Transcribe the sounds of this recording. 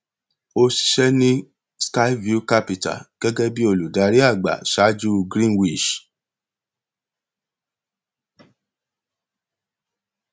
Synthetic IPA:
o˧ʃi̥˧ʃɛ˦nĩ˦ | ska˦i˦vu˦ka˦pi˨ta̰˨ɡ̥ɛ˦ɡɛ˦bi˦o˧lu˨da˨˦ɾi˦a˦˨ɡ͡ba̰˨ʃa˨˦d͡ʒu˦ɡɾĩ˦nwi˦˨ʃ

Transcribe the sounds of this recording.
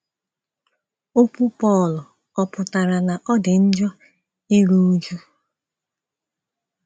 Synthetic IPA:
o˦kʷu˦pɔ˦˨lʊ˨ | ɔ˦pʊ˨ta˨ɾa˨na˨ʔɔ˦dɪ˨n̩˦d͡ʒɔ˦ | ɪ˦ɾu˦u˦d͡ʒu˦

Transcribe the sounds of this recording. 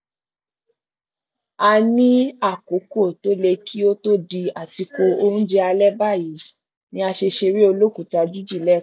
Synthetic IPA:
a˧nĩ˦a˦˨ko˨˦ko˦˨to˨˦le˧kʰi˦o˦to˦di˧a˨si˧ko˧o˧ɾũ˦d͡ʒɛ˧˦a˧lɛ˦ba˦˨ji˨˦ | nĩ˦a˧ʃe˧ʃe˧ɾi˦o˧lo˦ku˦˨ta˧d͡ʒu˦d͡ʒi˦˨lɛ˦˨

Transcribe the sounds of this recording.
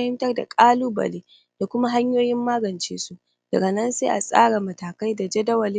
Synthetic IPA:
hɪ˦mtɐ˦rda̰˨kʼaː˦luː˦bɐ̰˨leː˦ | d̥a˨kʷʊ˦ma˦ɦa˦ɲjoː˦jɪ˦mːaː˦ɡɐ˨nt͡ʃḛː˦su˦ | d̥ɐ˨ɡɐ˨nɐ˦nseː˦ʔa˨sʼa̰ː˦ɽa˨mɐ˨taː˨ka˦jda˨d͡ʒɛ˦dɐ˦wɐ˨lɪ˦

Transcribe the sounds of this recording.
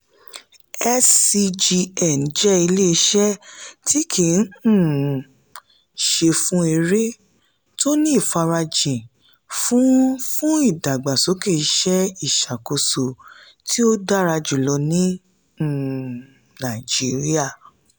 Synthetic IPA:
ɛ˦si˧d͡ʒi˧ɛ˨n˨d͡ʒɛ˦i˧le˦˧˦ʃɛ˦ti˦kʰi˨˦n̩˦˨ | ʃe˧fũ˦e˧ɾe˦ | to˦nĩ˦˨fa˧ɾa˧d͡ʒĩ˨ | fũ˦fũ˦i˦˨da˨ɡ͡ba˨so˨˦ke˦˨i˦ʃɛ˦i˦˨ʃa˨ko˧so˨ | ti˦o˦da˦ɾa˧d͡ʒu˨lɔ˧nĩ˦˨ | nã˨d͡ʒi˨˦ɾi˦a˦˨

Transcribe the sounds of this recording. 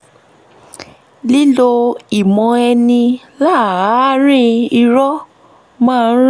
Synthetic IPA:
li˦lo˧i˨mɔ̃˧ɛ˧nĩ˧ | la˦˨˦ɾ̃ĩ˦i˧ɾɔ˦ | mãː˦˧˦

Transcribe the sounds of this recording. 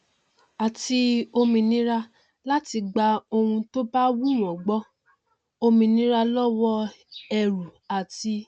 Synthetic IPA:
a˨ti˧o˧mĩ˧nĩ˦ɾa˧ | la˦ti˧ɡ͡ba˧o˧hũ˧to˦ba˦wu˦˨ɾ̃ɔ̃˨ɡ͡bɔ˦ | o˧mĩ˧nĩ˦ɾa˧lɔ˦wɔ˦ɛ˧ɾu˨a˨ti˧

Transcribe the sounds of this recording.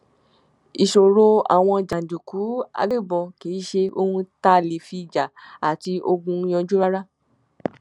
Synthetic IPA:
i˨ʃo˨ɾo˧a̰˨w̃ɔ̃˧d͡ʒa˨n̩˨du˨ku˨˦a̰˧ɡe˦˨bɔ˧ke˨˦ʃe˧ʔo˧hũ˧ta˦˨le˨fi˧˨d͡ʒa˨a˨ti˧ʔo˧ɡũ˧˦j̃ã˧d͡ʒu˦ɾa˦ɾa˦

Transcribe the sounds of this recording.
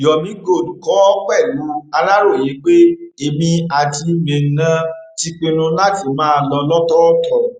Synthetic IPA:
jɔ˨mĩ˨˦ɡo˦˨dũ˨kɔ˨˦ɔ˦k͡pɛ˦˨lu˨˦a˧la˦ɾo˦˨e˨˦k͡pe˦e˧˨mĩ˧a˧ti˧mẽ˨˧n̩˨nã˨˧ti˧k͡pĩ˧nũ˧la˦ti˨mãː˦˧lɔ˧lɔ˦tɔ˦tɔ˨

